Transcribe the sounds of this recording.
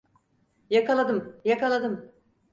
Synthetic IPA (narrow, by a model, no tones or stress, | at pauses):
jakalˠad̪ɯmjakalˠad̪ɯm